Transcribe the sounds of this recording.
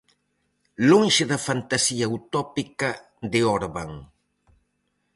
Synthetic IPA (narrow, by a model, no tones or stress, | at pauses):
loŋʃeðɐfant̪asiawt̪ɔpikɐ | d̪eɔɾβaŋ